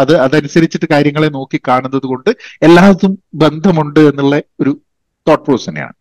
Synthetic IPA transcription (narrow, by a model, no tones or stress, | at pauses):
ɐðɨɐðɐnusɐɾit͡ɕːiʈːɨkaːɾjɐŋːɐɭeno̞ːkːikːaːɳunːɐðuko̞ɳɖɨe̞lːaːʋɐðumbe̞nd̪ʱɐmuɳɖɨe̞nːuɭːɐo̞ɾu | t̪o̞ːʈ̚poːsɐnḛja̰ːɳɨ